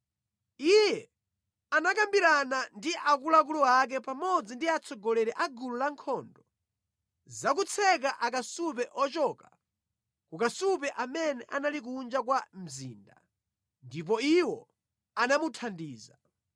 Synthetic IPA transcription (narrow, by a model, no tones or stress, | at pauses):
ijɛ | anakambiɾanandiʔakulak̬ulɔak̬ɛpamɔd͡zindiat͡sʰɔɡɔlɛɾɛʔaɡululaŋkʰɔːndɔ | zak̬ut͡sʰɛk̬aʔak̬asup̬ɛʔɔt͡ʃɔka | kukasupɛʔamɛnɛʔanalik̬und͡ʒak̬wam̩zḭːnda̰ | ndip̬ɔiwɔ | anamutʰandiːza